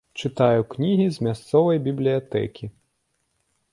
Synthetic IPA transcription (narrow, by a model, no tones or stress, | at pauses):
t͡ʂɨt̪ajuknʲiɦʲizmʲast̪sɔvɐjbʲiblʲijat̪ɛ̰kʲi